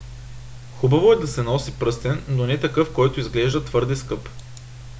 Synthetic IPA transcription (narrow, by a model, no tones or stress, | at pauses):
xubɐvoɛd̪ɐsɛnɔsipɾɤst̪ɛnːonɛt̪ɐkɤfkɔjt̪ʊizɡlɛʒd̪ɐt̪vɤɾd̪ɛskɤp